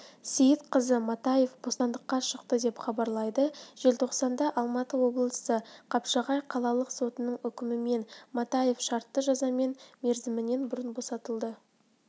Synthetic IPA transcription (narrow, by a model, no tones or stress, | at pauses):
sejɪt̪qʰəzəmɑt̪ɑje̞fbo̞st̪ɑnd̪əqːɑʃəqt̪əd̪e̞pχɑbɑɾlˠɑjd̪əʒ̥e̞lt̪ʰo̞qsɑnd̪ɑʔɑlˠmɑt̪əwo̞blˠəsəqʰɑpʃɑʁɑjqʰɑlˠɑlˠəqso̞t̪ənəɴʏkʲɪmɪme̞nmɑt̪ɑje̞fʃɑɾt̪ːəʒɑzɑme̞nme̞ɾzɪmɪne̞nbʊɾənbo̞sɑt̪əlˠd̪ə